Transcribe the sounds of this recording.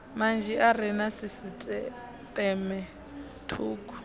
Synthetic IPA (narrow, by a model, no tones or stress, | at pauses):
mand͡ʒʱɛʔaɾɛnasisitʼɛ | tʼɛmɛ | tʰuːkʼu̥